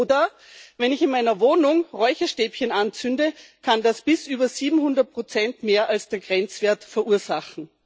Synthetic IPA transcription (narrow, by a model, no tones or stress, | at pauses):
dɐ | vɛnɪçɪnmaɪnɐvoːnʊŋʁɔʏçɐʃteːpçənant͡sʏndəkʰandasb̥ɪsʔyːbɐziːbm̩hʊndɐt̚pʁ̥ot͡sɛntmeːɐʔalsd̥eːɐɡʁɛnt͡sv̥eːɐtfɛɐʔuːɐzaχn̩